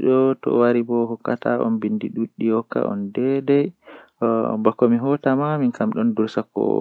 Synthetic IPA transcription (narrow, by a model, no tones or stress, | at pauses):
ɗɔtɔ̰waɾibɔɦɔkːataʔɔ̰nbindiɗuɗːihɔkːa̰ʔɔ̰ndɛdɛj | bakːɔmiɦɔtamaminkʰamɗɔnduɾsakːɔ̰